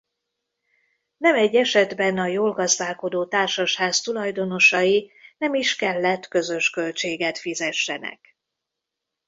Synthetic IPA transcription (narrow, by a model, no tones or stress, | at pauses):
nɛmɛɟːɛʃɛd̪bɛnɒjoːlɡɒzd̪aːlko̞d̪oːt̪aːrʃɒʃhaːst̪ulɒjd̪o̞no̞ʃɒjinɛmiʃkɛlːɛt̪ːkø̞zø̞ʃkø̞lt͡ʃeːɡɛt̪fizɛʃːɛnɛ̰k